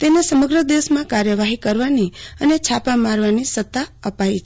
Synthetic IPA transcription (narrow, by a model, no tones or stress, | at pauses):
t̪enesəməɡɾəd̪eʋəsmãkaɾjəʋaɦikəɾʋaniənet͡ʃʰapãmaɾʋanisət̪ːaəpait͡ʃʰ